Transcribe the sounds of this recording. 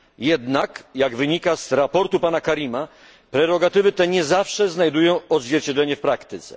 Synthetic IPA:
jɛd̪nakjaɡvɘɲikazɾapɔɾt̪upanakaɾʲima | pɾɛɾɔɡat̪ɘvɘt̪ɛɲɛzafʂɛznajd̪ujɔ̃w̃ɔd̪zʲvʲjɛɾt͡ɕɛdlɛɲɛfpɾakt̪ɘt̪sɛ

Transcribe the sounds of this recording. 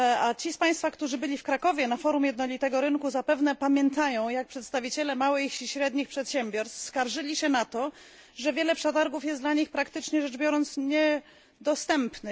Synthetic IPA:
at͡ɕispaj̃st̪fakt̪uʐɘbɘlʲifkɾakɔvʲjɛnafɔɾumjɛd̪nɔlʲit̪ɛɡɔɾɘŋkuzapɛvnɛpamʲjɛnt̪ajɔ̃w̃jak̚pʂɛt̪st̪avʲit͡ɕɛlɛmawɘɕiɕɾɛd̪ɲixpʂɛt̪ɕɛmbʲjɔɾst̪fskaɾʐɘlʲiɕɛnat̪ɔ | ʐɛvʲjɛlɛpʂɛt̪aɾɡufjɛsd̪laɲixpɾakt̪ɘt͡ʂɲɛʐɛʐbjɔɾɔnt̪sɲɛ | d̪ɔst̪ɛmpnɘ

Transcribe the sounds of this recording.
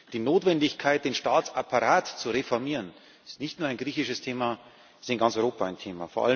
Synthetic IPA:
d̥iːnoːtv̥ɛndɪçkʰaɪt̚d̥eːnʃtaːt͡sapʰaʁaːtt͡suʁefɔɐmiːʁən | ɪsnɪçtnuːɐaɪnɡʁiːçɪʃəstʰeːma | sɪnɡant͡sɔʏʁoːpaa̰ɪntʰeːma̰foɐʔa̰l

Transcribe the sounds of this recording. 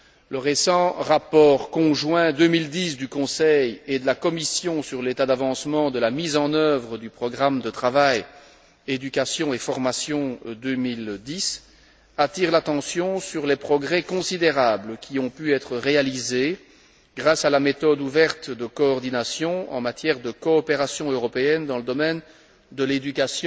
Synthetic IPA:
ləʁesɑ̃ʁapɔʁkɔ̃ʒwɛ̃d̪ømild̪is̬d̪ykɔ̃sɛjed̪əlakɔmisjɔ̃syʁlet̪ad̪avɑ̃smɑ̃d̪əlamizɑ̃nœvʁəd̪ypχɔɡʁamd̪ət̪χavaj | ed̪ykʲasjɔ̃efɔʁmasjɔ̃d̪ømild̪is | at̪iʁlat̪ɑ̃sjɔ̃syʁlɛpχɔɡʁɛkɔ̃sid̪eʁabləkʲʰiɔ̃pyɛt̪χəʁealize | ɡʁasalamet̪ɔd̪uvɛʁt̪d̪əkɔːʁd̪inasjɔ̃ɑ̃mat̪jɛʁd̪əkɔːpeʁasjɔ̃øʁɔpeɛnd̪ɑ̃ləd̪ɔmɛn | d̪əled̪ykʲasj̃

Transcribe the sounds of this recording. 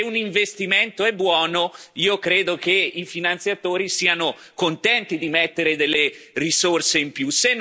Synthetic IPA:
uniɱvest̪iment̪oɛbːwɔːnoiːokɾeːd̪okeifinant̪sjat̪oːɾisiːano | kont̪ɛnt̪id̪imet̪ːeɾed̪elːerisorseimpjuse

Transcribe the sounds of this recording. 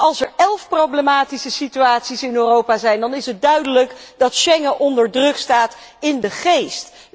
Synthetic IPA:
ɑlˠsɛɹɛlˠfprowblemaːtisəsityaːtsisɪnøːrowpaːzɛjndɑnɪsət̚dœɥdələkdɑtʃɛŋəʔɔndəɹdrɵkstaːtɪndəχejst

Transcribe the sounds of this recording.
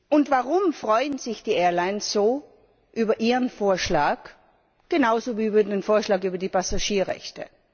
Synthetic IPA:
ʔʊntvaʁʊmfʁ̥ɔʏənz̥ɪçd̥iːʔeːɐlaɪnsz̥oː | ʔyːbɐʔiːʁənfoːɐʃlaːk | ɡ̥enaʊzoviːybɐdenfoːɐʃlaːkyːbɐdiːpʰasaʃiːɐʁɛ̰çtə̰

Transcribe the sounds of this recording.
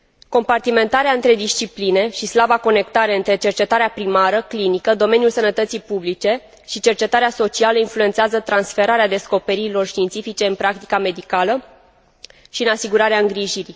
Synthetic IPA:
ko̞mpart̪ime̞nt̪aɾeaɨnt̪ɾe̞d̪ist͡ʃipline̞ʃislabako̞ne̞kt̪aɾe̞ɨnt̪ɾe̞t͡ʃe̞rt͡ʃe̞t̪aɾeapɾimaɾəklinikəd̪o̞me̞njulsənət̪ət̪sijpublit͡ʃe̞ | ʃit͡ʃe̞rt͡ʃe̞t̪aɾeaso̞t͡ʃialəinflue̞nt̪seazət̪ɾansfe̞ɾaɾead̪e̞sko̞pe̞ɾiɾilo̞rʃt̪int̪sifit͡ʃe̞ɨnpɾak̚t̪i̥kame̞d̪ikalə | ʃiɨnasiɡuɾaɾeaɨŋɡɾiʒiɾi

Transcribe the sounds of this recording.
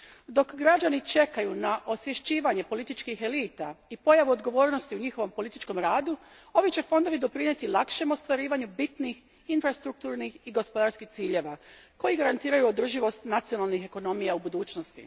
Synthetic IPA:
d̪o̞kɡɾad͡ʒanit͡ʃe̞kajunaʔo̞sʋje̞ʃt͡ɕiːʋaɲepo̞lit̪it͡ʃkixe̞liːt̪aipo̞jaʋuo̞d̪ɡo̞ʋo̞ːɾnost̪iuɲixo̞ʋo̞mpo̞lit̪it͡ʃko̞mɾaːd̪u | o̞ʋit͡ɕe̞fond̪o̞ʋid̪o̞pɾiɲet̪ilˠakʃe̞mo̞st̪ʋaɾiːʋaɲubit̪nix | infɾast̪ɾuk̚t̪uːɾnixiɡo̞spo̞d̪aɾskixt̪siːʎe̞ːʋako̞jiɡaɾant̪iːɾajuod̪r̩ʒiʋo̞st̪nat̪sio̞nalˠnixe̞ko̞no̞mijaubud̪uːt͡ʃnost̪ḭ

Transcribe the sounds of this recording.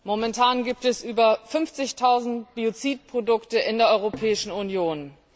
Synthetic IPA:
momɛntʰaːnɡiːp̚tɛsʔyːbɐfʏnft͡sɪçtʰaʊzn̩tb̥iot͡siːt̚pʁ̥odʊktəʔɪndeːɐʔɔʏʁopʰɛːɪʃn̩ʊnjoːn

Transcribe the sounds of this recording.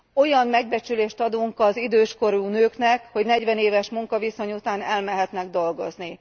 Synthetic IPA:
o̞jɒmmɛɡ̚bɛt͡ʃyleːʃt̪ɒd̪uŋkɒzid̪øːʃko̞ɾuːnøːknɛkho̞ɟnɛɟʋɛneːvɛʃmuŋkɒviso̞ɲut̪aːnɛlmɛɦɛt̪nɛɡd̪o̞lɡo̞zni

